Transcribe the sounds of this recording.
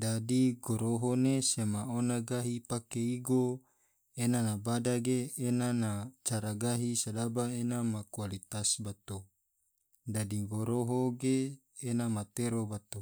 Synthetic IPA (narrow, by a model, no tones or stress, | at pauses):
dadiɡoɾoɦonesemaonaɡaɦipakeiɡo | enanabadaɡeːnanat͡ʃaɾaɡaɦisadabaenamakualit̪asbat̪o | dadiɡoɾoɦoɡeː | namat̪eɾobat̪o